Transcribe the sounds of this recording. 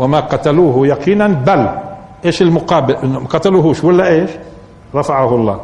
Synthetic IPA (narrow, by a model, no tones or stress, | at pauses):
wɪmaqɑt̪aluːɦjaqiːnanbal | ʔeːʃɪlmʊqɑːbɪlʔɪnːʊqɑt̪aluːɦuːʃwalːaʔeːʃ | ɾˤɑfaʕahʊlˤːɑ̰ː